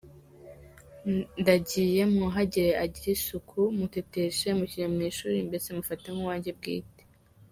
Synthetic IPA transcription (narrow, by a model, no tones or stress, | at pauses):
ndaɟiːje̞muɦaɟeɾeʔaɟiɾisukʰumuteteʃemuciɾemŋiːʃuːɾimbe̞semufateŋ̥huwaːɲɟe̞b̚ɡḭːte̥